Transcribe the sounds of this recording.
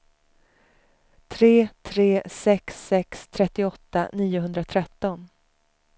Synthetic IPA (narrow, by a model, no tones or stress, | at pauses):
t̪ʰɾeːt̪ʰɾeːsɛksːɛkst̪ʰɾɛt̪ːɪɔt̪ːa̰niːʊɦɵnd̪ɾat̪ʰɾɛt̪ːɔn